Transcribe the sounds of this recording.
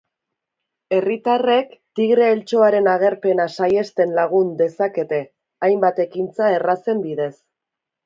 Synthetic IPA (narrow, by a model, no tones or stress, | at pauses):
e̞rit̪are̞kt̪iɣɾe̞ːlt͡ʃo̞aɾe̞naɣ̞e̞ɾpe̞nasaje̞st̪e̞nlaɣ̞und̪e̞sake̞t̪e̞ | ajmbat̪e̞kint͡sae̞rase̞mbiðe̞s